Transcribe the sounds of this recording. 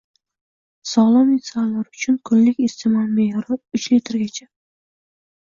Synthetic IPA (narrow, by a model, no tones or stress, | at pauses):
sɒlˠɒmesalːaɾʊt͡ʃʰʊnkʰʊnlɪkʲest̪ʰɪmanmejɒɾɪʊt͡ʃlet̪ʰɪɾɡʲat͡ʃʰa